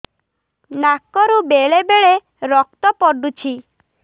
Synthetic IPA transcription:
nakɔɾubeɭebeɭe | ɾɔk̚t̪ɔpɔɖut͡ʃʰi

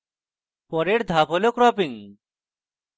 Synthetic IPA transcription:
pɔɾeɾd̪ʱapɦolokɾɔpiŋ

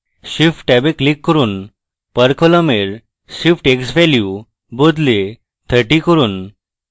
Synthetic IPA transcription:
ɕifʈʈɛbeklikːəɾuːn | pəɾkɔləmeɾ | ɕifʈeksʋɛlju | bod̪le | t̪ʰəɾʈikəɾuːn

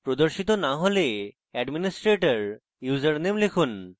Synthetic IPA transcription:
pɾod̪oɾʃit̪onaɦole | ɛɖminisʈɾeʈaɾ | juzəɾnemlekʰun

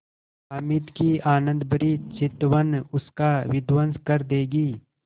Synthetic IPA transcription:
amɪt̪kiaːnə̃nd̪bəɾit͡ʃɪt̪ʋənʊskaʋɪd̪wənskəɾd̪eːɡiː

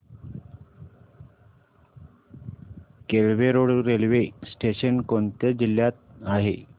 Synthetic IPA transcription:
kelʋeɾoɽɾelʋesʈeɕənkont̪əd͡ʑiljat̪̚aɦe

